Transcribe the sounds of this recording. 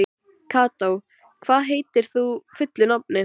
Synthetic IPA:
kʰaːt̪ow | kʰvaːðɦeːjt̪ɪɾ̥θufʏt̪lʏnap̚nɪ

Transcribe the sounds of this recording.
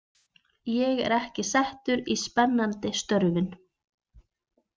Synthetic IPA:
jɛɣɛ̰ɾɛhcɪsɛht̪ʏɾispɛnːant̪ɪst̪œɾvɪn

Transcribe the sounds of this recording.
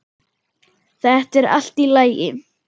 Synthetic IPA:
θɛht̪ɛɾa̰l̥t̪ilaːjɪ

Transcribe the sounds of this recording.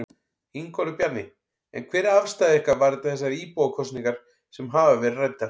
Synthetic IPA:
iŋkɔlʏpjaɾnɪ | ɛ̰nkʰvɛːɾafst̪aðɪɪhkaɾvaɾɛt̪aθɛsːaɾiːpowakʰɔst̪niŋkaɾ̥ | sɛmɦaːvavɛɾrajt̪ːa

